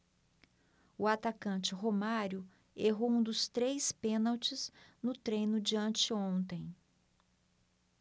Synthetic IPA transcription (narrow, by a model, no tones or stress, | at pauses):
ʊat̪akɐ̃t͡ʃɪɦomaɾʊ | eɦowũd̪ʊst̪ɾejspẽnawt͡ʃɪznʊt̪ɾẽjnʊd͡ʒiɐ̃nt͡ʃɪõnt̪ẽj̃